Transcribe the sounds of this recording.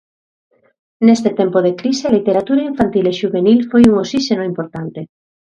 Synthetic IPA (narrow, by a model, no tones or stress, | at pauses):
nest̪et̪ɛmpoðekɾisealit̪eɾat̪uɾaiɱfant̪ileʃuβenilfojuŋosiʃenoimpoɾt̪ant̪e